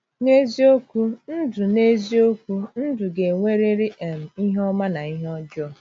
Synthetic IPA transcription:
ne˦zi˦o˦kʷu˦n̩˦dʊ˨ne˦zi˦o˦kʷu˦n̩˦dʊ˨ɡe˨ŋʷe˦ɾe˦ɾi˦e˨m̩˨i˦ɦɔ˦ma˦na˨i˦ɦɔ˦d͡ʒɔ˦

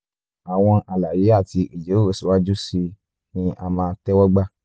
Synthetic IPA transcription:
a˨w̃ɔ̃˧ʔa˨la˨ji˨˦a˦˨ti˧ʔi˨d͡ʒe˨˦o˦˨o˨si˨wa˦d͡ʒu˦si˧ | nĩ˧ʔa̰˧mãː˧˦tɛ˦wɔ˦ɡ͡ba˦

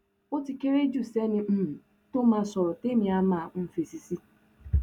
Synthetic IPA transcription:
ʊ˦ti˨ke˦ɾe˦d͡ʒu˦˨se˦nɪ˨m̩˦m̩˨ | to˦ma˦sɔ˨ɾɔ˨te˦mi˨a˦ma˨m̩˦fe˨si˨si˦

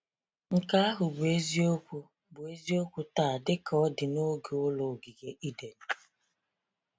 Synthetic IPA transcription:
ŋ̩˨ka˦a˦ɦʊ˨ɡ͡bʊ˨e˦zi˦o˦kʷu˦ | bʊ˨e˦zi˦o˦kʷu˦ta˦˨dɪ˦kɔ˦dɪ˨no˦ɡu˨ʊ˦lo˨ɡi˨ɡe˦ʔi˦de˨n̩˨

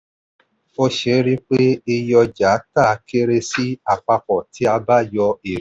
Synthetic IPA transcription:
o˧ʃe˨˦ɾi˦k͡pe˦e˧jɔ˧d͡ʒa˨˦ta˦˨˦ke˦ɾe˧si˦a˨k͡pa˧k͡pɔ˨ti˦a˧ba˦jɔ˧e˨˦

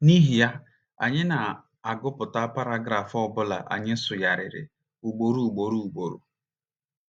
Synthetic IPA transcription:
ni˦ɦi˨ja˦ | a̰˨ɲɪ˦na˨ | a˨ɡʊ˦pʊ˨ta˦pa˦ɾa˦ɡɾa˨fɔ˦bʊ˦la̰˨ʔa̰˨ɲɪ˦sʊ˨ja˨ɾɪ̰˨ɾɪ̰˨ | u˨ɡ͡bo˨ɾu˦u˨ɡ͡bo˨ɾu˨u˨ɡ͡bo˨ɾṵ˨

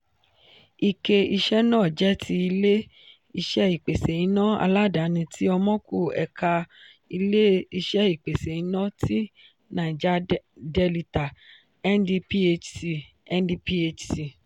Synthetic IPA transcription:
i˨ke˨i˧ʃɛ˦nãː˦˨d͡ʒɛ˦tʰi˧i˧le˦ | i˧ʃɛ˦i˨k͡pe˨se˨i˨˦nã˦a̰˧la˦da˨˦nĩ˧tʰi˦ɔ˧mɔ̃˦kʰu˦˨ɛ̰˨kʰa˧ | i˧le˦i˧ʃɛ˦i˦˨k͡pe˨se˨i˨˦nã˦ti˦ | nã˨i˨d͡ʒa˦de˧li˧ta˨ | ɛ˦ndi˧pi˦e˧si˧ | ɛ˦ndi˧pi˦e˧t͡ʃsi˧

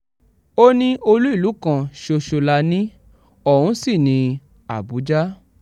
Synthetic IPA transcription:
o˦nĩ˦ʔo˧lu˦i˦˨lu˨˦kã˧ʃo˧ʃo˧la˧˦nĩ˦ | ɔ˦˨wũ˨˦si˦˨nĩ˧ | a˨bu˨˦d͡ʒa˦

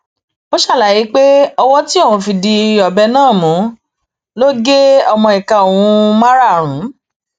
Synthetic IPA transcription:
o˦ʃa˦˨la˨ji˨˦k͡pe˦ɔ˧wɔ˦ti˦ɔ˦˨w̃ũ˨˧fi˧˨di˧ɔ˨bɛ˧nãː˦˨mũ˨˦ | lo˦ɡe˦ɔ˧mɔ̃˧i˨ka˧˨o˨w̃ũ˨˧˦ma˦ɾa˦˨ɾ̃ũ˨˦

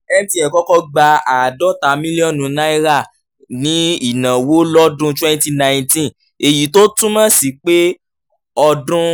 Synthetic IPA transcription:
ɛ˦m̩̃˦tĩ˧˦ɛ˨kɔ˦kɔ˧ɡ͡ba˧a˨dɔ˦ta˨˦mĩ˦li˦ɔ̃˦˨nũ˨˦nã˦i˦ɾa˦˨ | nĩ˨˦i˦˨nã˨wo˦lɔ˦dũ˦twɛ̃˦n˦ti˦nã˨ĩ˨tĩ˦ | e˨ji˨to˦tũ˦mã˦si˨k͡pe˦ | ɔ˧dũ˦

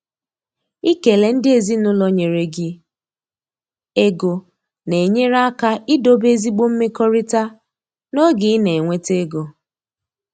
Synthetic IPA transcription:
i˦ke˨le˨n̩˦dɪ˦e˨zi˦nʊ˦lɔ˨˦ɲe˨ɾe˨ɡɪ˦ | e˦ɡo˨ | ne˨ɲe˦ɾa˦ka˦ʔɪ˦do˦be˦zi˦ɡ͡bo˦m̩˦me˦kɔ˦ɾi˦ta˦ | no˦ɡɪ˨˦ne˨e˨ŋʷe˦te˦ɡo˨

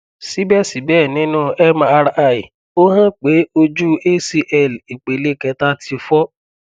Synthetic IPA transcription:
si˨˦bɛ˦˨si˨˦bɛ˦˨nĩ˨˦nũ˦˨ɛ˦ma˧ɾa˧˨i˨ | o˦ɦã˦k͡pe˨˦o˧d͡ʒu˦e˦si˧ʔɛ˦˨li˨k͡pe˨le˦˨kɛ˧ta˦tʰi˧fɔ˦

